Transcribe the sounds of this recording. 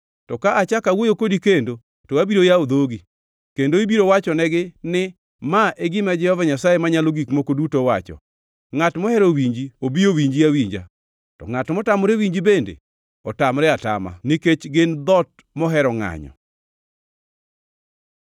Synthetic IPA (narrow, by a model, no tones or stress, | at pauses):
tɔkaʔat͡ʃakawojokodikendo | toabiɾojaod̪oɡi | kendoibiɾowat͡ʃɔnɛɡɪnɪ | maeɡɪmad͡ʒɛhɔvaɲasajemaɲaloɡikmokodutowat͡ʃɔ̰ | ŋatmɔhɛɾowiɲd͡ʒiobiowiɲd͡ʒiawiɲd͡ʒa̰ | tɔ̰ŋatmɔtamɔɾewiɲd͡ʒibendḛ | ɔtamɾɛata̰ma̰niket͡ʃɡɪnd̪ɔt̚ | mɔɦɛɾɔŋa̰ɲɔ̰